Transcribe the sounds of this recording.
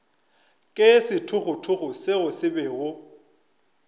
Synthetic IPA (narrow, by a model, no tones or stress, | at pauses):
kʼesɪtʰʊχʊtʰʊχʊsɪɣʊsɪbɛɣʊ